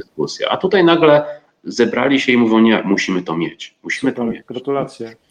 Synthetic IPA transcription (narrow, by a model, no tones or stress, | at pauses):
skusʲjɛ̰ʔa̰t̪ut̪ajnaɡlɛ | zɛbɾa̰lʲiɕɛimuvʲjɔ̃w̃ɲɛmuɕimɘt̪ɔmʲjɛ̰t͡ɕmuɕimɘt̪ɔmʲjɛt̪a